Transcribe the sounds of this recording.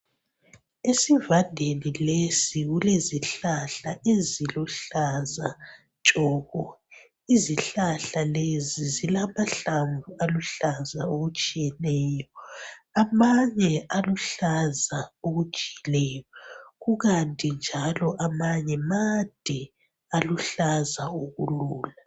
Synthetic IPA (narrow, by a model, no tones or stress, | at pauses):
esivandʱenilesiɣuleziɬaɬaʔeziluɬaza | t͡ʃʼɔːɣɔ | iziɬaɬalezizilamaɬaɱvualuɬazaoɣut͡ʃʼijɛnɛːjɔamaɲɛaluɬazaoɣud̥ʒ̥ʱiilɛjɔɣuɣantʼind͡ʒʱalɔʔamaɲɛmad̥ʱɛ | aluɬazaoɣuluːla